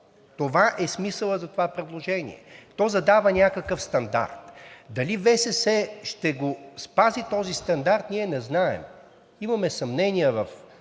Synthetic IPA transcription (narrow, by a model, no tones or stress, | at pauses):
t̪ovaʔɛsmisəlˠəzɐt̪ovapɾɛd̪lˠoʒɛnʲḭɛ̰t̪ɔzɐd̪avənʲakəkəfst̪ɐnd̪a̰ɾt̪d̪ɐlivɛsɛsɛʃt̪ɛɡospazit̪ɔzist̪ɐnd̪aɾt̪niɛnɛznaɛ̰m | imɐmɛsɐmnɛnʲiəvɐf